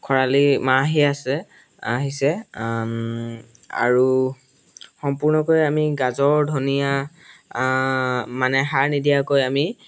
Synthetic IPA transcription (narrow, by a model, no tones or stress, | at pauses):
kʰɔɹalimaɦiasɛ | aɦisɛ | a̰ɹu | xɔmpuɹnɔkojamiɡazɔɹdʱonija | manɛxaɹnidijakojami